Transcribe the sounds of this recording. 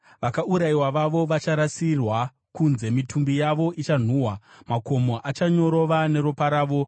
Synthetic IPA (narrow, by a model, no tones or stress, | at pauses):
ʋakauɾaiwaʋaʋo̞ʋat͡ʃaɾasirwa | kunze̞mitʰumbijaʋo̞ʔit͡ʃan̤uːɦwamako̞mo̞ʔat͡ʃaɲo̞ɾo̞ʋane̞ɾopaɾaːʋo̞